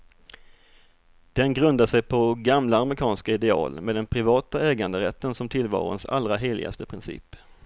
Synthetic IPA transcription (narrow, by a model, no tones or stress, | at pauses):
d̪̥ɛnɡɾɵnd̪aʂɛjpʰɔɡamlaːməɾɪkʰɑːnskaɪd̪ɛɑ̰ːlmeːd̪ɛnpʰɾɪvɑːt̪aɛːɡand̪əɾɛt̪ːənsɔmt̪ʰɪlvɑ̰ːɾʊ̰nsa̰lɾaɦeːlɪ̰ɡa̰st̪əpʰɾɪnsḭːp